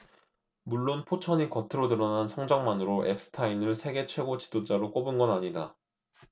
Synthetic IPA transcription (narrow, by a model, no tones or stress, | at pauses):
muɭːonpʰot͡ɕʰʌɲikʌtʰɯɾodɯɾʌnansʰʌŋd͡ʑaŋmanɯɾoʔe̞̰p̚s͈ɯ̥tʰainɯɭsʰe̞ɡe̞t͡ɕʰwe̞ɡot͡ɕi̥dod͡ʑ͈aɾok͈obunɡʌnaɲida